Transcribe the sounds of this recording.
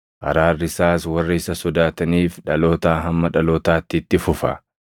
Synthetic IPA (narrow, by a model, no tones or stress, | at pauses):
ʔɐ̰ɾaːrːɪsaːswɐrːɪɪsɐsɔd̪aːt̪ɐniːfᶑɐlo̞ːt̪aːɦɐmːɐᶑɐloːt̪aːt̪ːɪːt̪ːɪfʊfɐ̰